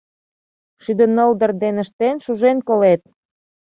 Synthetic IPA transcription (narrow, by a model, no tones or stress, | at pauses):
ʃyd̪ənəld̪ə̆rd̪enə̆ʃt̪enʃuʒenkolet̪̚